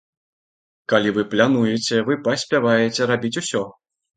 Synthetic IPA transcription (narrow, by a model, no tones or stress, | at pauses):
kalʲivɨplʲanujɛt͡sʲɛvɨpɐsʲpʲavajet͡sʲɛɾabʲit͡sʲusʲɔ